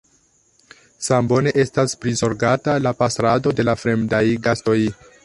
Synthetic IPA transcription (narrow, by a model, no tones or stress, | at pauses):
sambo̞ne̞ʔe̞staspɾizo̞ɾɡatalapasɾado̞de̞lafɾe̞mdajɡasto̞j